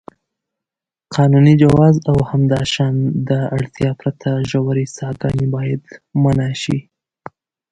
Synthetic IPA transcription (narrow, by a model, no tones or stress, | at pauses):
qʰɑnunid͡ʒawɑzawhamd̪ɑʃɑnd̪əaɽt̪jɑpɾat̪ʰaʒawaɾisɑɡɑnibɑjad̪manaʃi